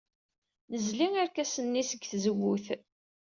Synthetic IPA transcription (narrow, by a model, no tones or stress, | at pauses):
nəzliŋæɾkæsənːisəɡθzəwːuθ